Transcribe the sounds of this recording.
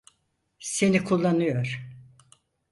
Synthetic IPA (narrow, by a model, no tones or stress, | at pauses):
se̞nikʰulˠːanɯjoɾ̥